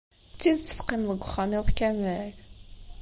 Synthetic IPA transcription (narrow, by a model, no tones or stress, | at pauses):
t͡sːiðt͡sːə̥fqimðəɡʷːʊχːamiðkæmæl